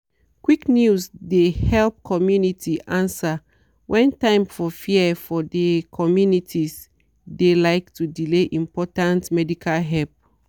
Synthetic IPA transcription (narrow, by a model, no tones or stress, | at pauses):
kwiknjusdehɛlp̚kʰɔmjunitʰiʔãnsa | wʔɛ̃ntãɪ̃mfɔfiəfɔdekʰɔmjunitʰis | delaɪktʰudileʔĩmpɔtãntmɛdikʰalɦɛlp̚